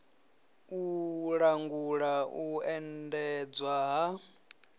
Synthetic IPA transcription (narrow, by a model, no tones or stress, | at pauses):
uɺaŋɡuɺauɛndɛd͡zwaɦa